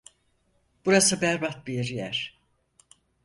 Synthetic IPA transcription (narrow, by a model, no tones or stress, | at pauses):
b̥uɾasɯbæɾbat̪̚biɾjæɾ̥